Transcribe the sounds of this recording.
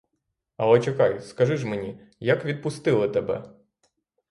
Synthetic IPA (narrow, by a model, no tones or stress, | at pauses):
ɐlˠɛt͡ʃekɑjskɐʒɪʒmenʲi | jɐkʋʲid̪̚pʊst̪ɪlˠɪt̪ebɛ̰